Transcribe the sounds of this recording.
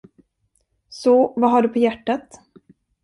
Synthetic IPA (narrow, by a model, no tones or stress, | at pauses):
sɔvaɦaɖɵpʰɔjæʈːat̪